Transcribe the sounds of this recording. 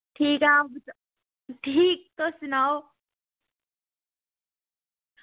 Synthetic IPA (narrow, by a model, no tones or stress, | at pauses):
ʈʰiːkambt͡s | ʈʰiːk̚t̪osunaw